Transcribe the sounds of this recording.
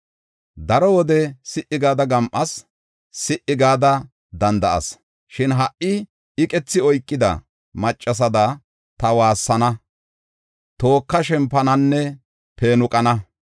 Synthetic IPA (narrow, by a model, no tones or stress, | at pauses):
d̪ɐɾɔwɔd̪ɛsɪʔɪɡaːd̪ɐɡɐmʔɐs | sɪʔːɪɡaːd̪ɐ | d̪ɐnd̪ɐʔɐ̰s | ʃɪnɦɐʔɪ | ɪkʼɛt͡sːɪɔjkʼːɪd̪ɐ̰ | mɐt͡ʃʼːɐs̬ɐd̪ɐ | t̪ɐwaːsːɐnɐ | t̪o̞ːkːɐʃɛmpːɐnɐnːɛ | pe̞ːnʊkʼɐnɐ